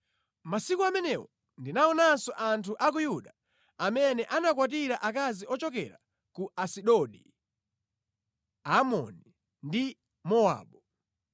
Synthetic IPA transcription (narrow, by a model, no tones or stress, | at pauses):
masikuamɛnɛwɔ | ndinaɔnansɔʔantʰuʔakujuɗa | amɛnɛʔanakwat̬iɾaʔakaziɔt͡ʃɔkɛ̰ɾa̰ | kuasiɗɔɗi | amɔ̰ni | ndi | mɔa̰ːɓɔ